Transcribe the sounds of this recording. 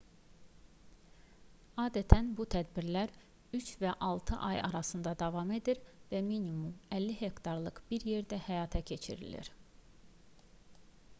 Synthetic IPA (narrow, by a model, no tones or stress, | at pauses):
ɑːd̪æt̪ʰænbut̪ʰæd̪biɾlæɾ | yt͡ʃvæʔɑlˠt̪ʰɯ̰ʔɑjɑ̰ɾɑsɯnd̪ɑd̪ɑvɑme̞d̪iɾvæminimumælːiɦe̞kt̪ʰɑɾlˠɯqb̥iɾje̞ɾd̪æhæjɑːt̪ʰɛcʰe̞t͡ʃʰḭɾḭlḭɾ